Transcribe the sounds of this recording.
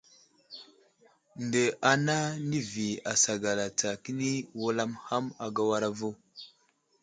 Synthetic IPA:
ndə˨a˨na˦ni˦vi˨a˨sa˨ɡa˨la˨t͡sa˨ki˦ni˦wu˦la˦mha˦ma˨ɡa˦wa˦ɾa˦vu˦

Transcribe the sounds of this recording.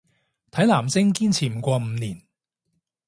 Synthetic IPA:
t̪ʰɐ˨˥jlaː˨˩mt͡sɪ˥ŋkiː˥nt͡sʰiː˨˩m̩˨˩kʷɔː˧m̩˨˧˦niː˨˩n

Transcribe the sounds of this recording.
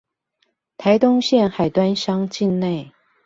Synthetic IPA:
t̪ʰa˧˥ɪt̪ʊ˥ŋɕjɛ˥˩nxa˨˩ɪt̪wa˥nʂɑ˥ŋt͡ɕi˥˧nne˥˩ɪ

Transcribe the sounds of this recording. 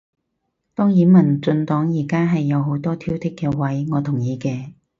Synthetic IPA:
t̪ɔː˥ŋjiː˨˧mɐ˨˩nt͡sɵ˧nt̪ɔː˨˥ŋjiː˨˩kaː˥ɦɐ˨jːɐ˨˧wɦo˨˧˥wt̪ɔː˥t̪ʰiː˥wt̪ʰɪ˥kːɛː˧wɐ˨˥jŋɔː˨˧t̪ʰʊ˨˩ŋjiː˨˧kɛː˧

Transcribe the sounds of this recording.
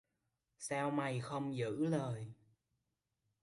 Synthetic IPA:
saː˧wma˨˩jxə˧wŋ͡mzɨ̰˧˥ləː˨˩j

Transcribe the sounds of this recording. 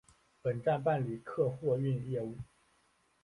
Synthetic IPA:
pə˨˩nʈ͡ʂa˥˧np̬a˥˩nli˨˩kʰɤ˥˧xwɔ˥˧y˥˧njɛ˥˧u˥˩

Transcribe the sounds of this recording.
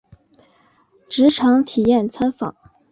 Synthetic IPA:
ʈ͡ʂɻ̩˧˥ʈ͡ʂʰɑ˧˥ŋt̪ʰi˨˩jɛ˥˩nt͡sʰa˥nfɑ̰˨˩˦ŋ

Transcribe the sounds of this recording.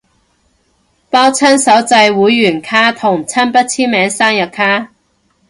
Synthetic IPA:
paː˥wt͡sʰɐ˥nsɐ˨˥wt͡sɐ˧jwuː˨˥jːyː˨˩nkʰaː˥t̪ʰʊ˨˩ŋt͡sʰɐ˥npɐ˥t̚t͡sʰiː˥nmɛː˨˥ŋsaː˥ŋjɐ˨kʰːaː˥

